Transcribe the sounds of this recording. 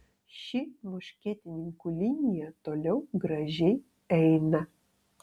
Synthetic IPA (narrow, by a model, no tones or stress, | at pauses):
ʃʲɪmʊʃʲkʲeːt̪ʲɪnʲɪŋkulʲinʲɪjɛt̪oːlʲɛʊɡɾɐʒʲɛj | ɛjnɐ